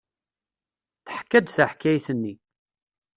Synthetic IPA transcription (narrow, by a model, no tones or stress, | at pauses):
θəħkːæd̪θəħkːæjθənːi